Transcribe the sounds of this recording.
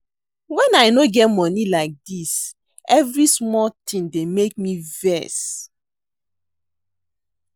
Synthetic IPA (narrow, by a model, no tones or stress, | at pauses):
wɛ̃najnoɡɛtmɔnilaɪk̚dis | ɛvɹismɔltʰĩndemek̚mivɛs